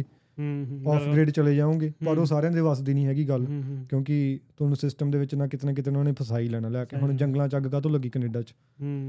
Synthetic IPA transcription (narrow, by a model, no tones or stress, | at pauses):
ɔːpʰɡɾeːɖt͡ʃəleːd͡ʒaːõːɡeːpəɾoːsaːɾeãːd̪eːʋaːsd̪inĩːɦɛːɡiːɡəlkjõːkɪt̪ʊnũːsɪsʈəmd̪eːʋɪt͡ʃnãːkɪt̪nãːkɪt̪eːnõːnẽːpʰəsaːiːlɛːɽãːlɛːkeːɦʊɳ̃d͡ʒəŋɡlãːt͡ʃəɡɡaːt̪̬õːləɡiːkəneːɖaːt͡ʃ